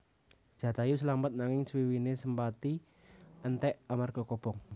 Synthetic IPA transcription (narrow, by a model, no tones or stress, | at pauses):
d̥ʒ̥ä̤t̪ajus̬əlamət̪̚naŋɪŋswiwinesəmpat̪i | ənt̪ɛʔamarɡ̥ɔ̤kob̥ɔŋ